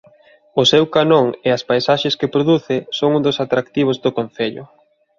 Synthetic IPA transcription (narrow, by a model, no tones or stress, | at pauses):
ʊsewkanoŋeaspajsaʃeskepɾoðuθɪsoŋũnd̪osat̪ɾakt̪iβ̞ozd̪okon̟θeʎʊ̰